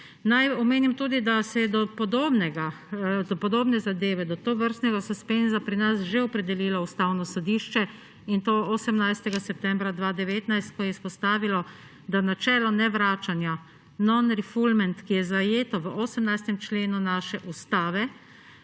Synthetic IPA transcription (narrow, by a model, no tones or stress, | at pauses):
najɔmeːnimt̪uːd̪id̪asɛjɛd̪ɔpɔd̪oːbnɛɡa | d̪ɔpɔd̪oːbnɛzad̪eːʋɛd̪ɔt̪oːʋəɾst̪nɛɡasɔspenzapɾinasʒeɔpɾɛd̪ɛliːlaust̪awnɔsɔd̪iːʃt͡ʃɛ | int̪oosəmnajst̪ɛɡasɛp̚t̪ɛmbɾad̪ʋaːd̪ɛʋeːt̪najst̪̚kɔjɛispɔst̪aːʋilɔ | d̪anat͡ʃɛːlɔnɛʋɾaːt͡ʃanja | nɔnɾifulmɛnt̪kijɛzajeːt̪ɔʋəʔoːsəmnajst̪ɛmt͡ʃleːnunaːʃɛʔust̪aːʋɛ